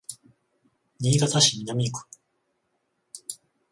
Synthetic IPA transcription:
ɲʲiːɡat̪aɕimʲinamʲikɯ̥

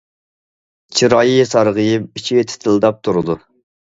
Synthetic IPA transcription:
t͡ʃʰiɾɑːjijesɑɾʁəjɨpit͡ʃʰiwet̪ʰɪ̥t̪ʰɪld̪ɑp̚t̪ʰuɾɨd̪u

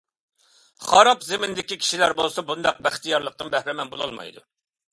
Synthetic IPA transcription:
χɑɾɑpzɪmɪnd̪ɪkʲikʲʰi̥ʃilæɾbolˠsɑbund̪ɑq̚bæχt̪ijɑɾlˠəq̚t̪ɨnbæhɾɪmɛnbolˠɑ̰lˠmɑ̰jd̪ṵ

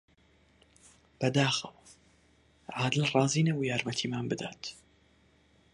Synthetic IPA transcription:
b̥ɛd̪aːxəw | ʕaːd̪ɨlrɑːziːnewjaːɾmɛt̪ʰiːmaːnbɨd̪a̰ːt̪

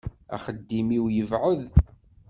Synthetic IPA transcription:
æ̰χəd̪ːimiwjəvʕəð

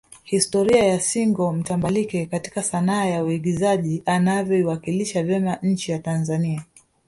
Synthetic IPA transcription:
histɔɾiajasiŋɡɔm̩tambalikɛkati̥kasanaːjauiɠizaʄianavjɔiwakiliʃavjɛmaɲ̩t͡ʃijatanzania

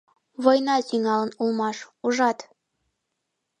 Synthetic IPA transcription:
βojnɑziŋɑlə̆nulˠmɑʃuʒɑt̪

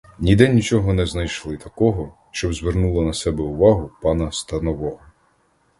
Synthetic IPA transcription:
nʲid̪ɛnʲit͡ʃɔɦɔnɛznɐjʃlˠɪt̪ɐkɔɦɔ | ʃt͡ʃɔbzʋernulˠɐnɐsɛbɛʊʋɑɦʊpɑnɐst̪ɐnɔʋɔɦɔ

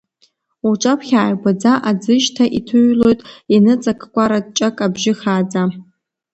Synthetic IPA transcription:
uʈ͡ʂʷʼapʰχʲaːjɡʷad͡zaʔad͡zɨʒtʰaʔitʰɨɥlo̞jtʼinɨt͡sʼakʰkʷʼaɾad̚t͡ʃʼakʼabʒɪχaːd͡za

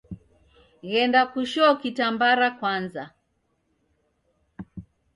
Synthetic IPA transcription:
ɣɛndakuʃɔkitambaɾakwanza

